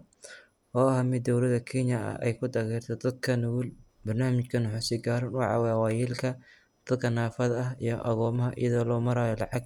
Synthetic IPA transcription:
ɔːɐhmɪd̪ːɔwlɐðɐkʰɛnjɐɐ̰ɛ̰jkʰʊd̪ɐɣɛːrt̪ʰɛd̪ɐd̪̚kʰɐnʊwʊl | bɐrnaːmɪt͡ʃkʰɐnʊħʊsɪɡaːɾɐnʊʕɑ̰wɛwɑːjɛːlkʰɐ | d̪̥ɐd̪kʰɐnaːfɐðɐɐɦḭjɞʔɐɣɔːmɐɦɐʔḭjɐðɔːlɔːmɐɾaːjɔlɑʕɑɡ̚

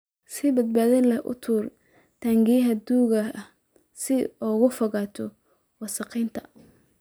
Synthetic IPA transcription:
sɪbɐd̪̚baːðɪnlɐhʔʊ̰t̪ʰuːr | t̪ʰaːŋɡɪjɦɐd̪uːɣɐ | sɪɔːɣʊfɔɣaːt̪ʰɔ | wɑsɑqiːnt̪ʰɐ̥

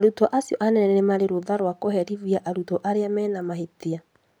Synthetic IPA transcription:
aɾutɔʔasiɔʔanɛnɛnɛnemaɾeɾoðaɾwakohɛɾiviaʔaɾutɔʔaɾeamɛnamaɦetia

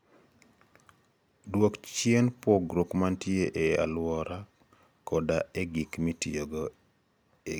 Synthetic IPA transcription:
dwokt͡ʃjenpɔɡɾokmantjeʔea̰lwɔɾʔa | kʰɔdaeɡikmitioɡo | e

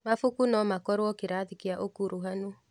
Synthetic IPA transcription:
mafukunɔmakɔɾwɔkeɾaðikiaʔokuɾoɦano

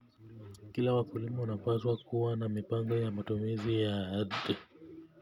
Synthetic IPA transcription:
kilawakulimaunapaswakuwanamipaŋɡɔjamatumizijaadɛ

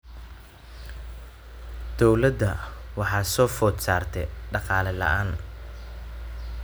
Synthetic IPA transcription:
d̪̥ɔwlɐd̪ɐwɑħɑːsɔːfɔːd̪saːrt̪ʰɛɖɑqɑːlɛlɐ̰ʔaːn

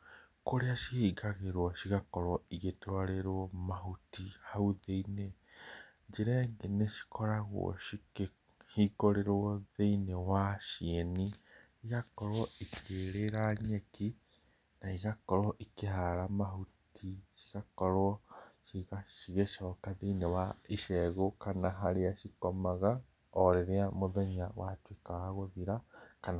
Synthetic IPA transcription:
koɾeaʃihiːɡaɣeɾwɔʃiɣakɔɾwɔiɣetewaɾeɾwɔmaɦutihauðeine | ɲd͡ʒeɾɛeŋɡeneʃi̥kɔɾaɣw̰ɔ̰ʃike | hiɡoɾeɾwɔðeinewaʃiɛni | iɣakɔɾwɔikʰeɾeɾaɲeki | naiɣakɔɾwɔʔikeɦaɾamaɦutʰiʃi̥ɣakɔɾwɔʃiɣaʃiɣeʃɔːkaðeinewaiʃɛɣokanaɦaɾeaʃikɔmaɣa | ɔɾeɾeamoðɛɲawatwikaɣaɣoðiɾakana

